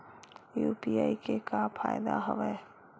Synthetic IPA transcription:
juːpiːaːikekapʰa̰ːjd̪a̰ɦə̰ʋɛː

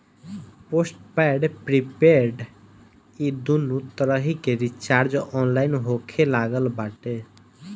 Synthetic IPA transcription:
posʈpaɖpɾipeɾɖ | id̪unut̪əɾəɦikeɾit͡ʃaɾd͡ʒɔʔɔnlajnɦokʰelaɡəlbaʈe

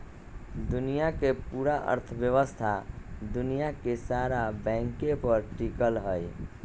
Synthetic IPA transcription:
d̪unijakepuːɾaʔə̰ɾt̪ʰəbjəʋəst̪ʰad̪unijakesaɾabɛ̃ŋkẽpəɾʈikəlɦəj

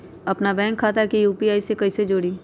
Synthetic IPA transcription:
ɐpnabɛ̃ːŋkʰːaːt̪aɦkijuːpiaːisekɐised͡ʒoːɽiː

